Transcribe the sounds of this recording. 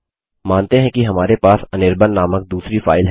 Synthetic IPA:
maːnt̪eɦɛ̃kiɦɐmaːɾepaːsɐnɪɾbənːaːmək̚d̪uːsɾifaːɪlɦ

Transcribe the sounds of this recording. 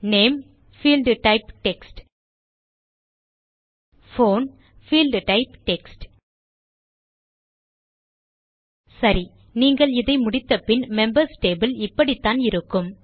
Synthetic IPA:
neːm | fiːlɖʈɐɪpʈɛksʈ | foːn | fiːlɖʈɐɪpʈɛksʈ | sɐɾi | niːŋɡɐɭɪðɐɪmʊɽɪt̪ːɐpɪnmɛmbɐɾsʈeːbɪlɪpːɐɽit̪ːaːnɪɾɯkːɯm

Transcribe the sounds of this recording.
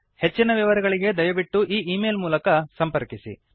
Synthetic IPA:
he̞t͡ʃːinɐʋiʋɐɾɛɡɐɭiɡe̞d̪ɐjɐʋiʈːuʔiːʔiːmeːlmuːlɐkɐsɐmpɐɾkisḭ

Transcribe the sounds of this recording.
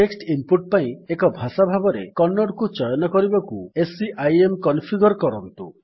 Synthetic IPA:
ʈeksʈimpuʈ̚paĩekɔbʱasabʱabɔɾḛkɔnːɔɖkut͡ʃɔjɔnɔkɔɾibɔkṵesiʔajemkɔnpʰiɡɔɾkɔɾɔnt̪ṵ

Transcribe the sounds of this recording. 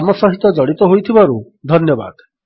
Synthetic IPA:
amɔsɔɦit̪ɔd͡ʒɔɽit̪ɔɦojt̪ʰibaɾu | d̪ʱɔnjɔba̰d̪

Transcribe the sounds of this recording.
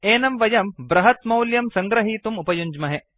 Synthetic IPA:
eːnɐmʋɐjɐmbɾɐɦɐt̪mɐwljɐmsɐŋɡɾɐɦiːt̪umupɐjuɲd͡ʒmɐɦe

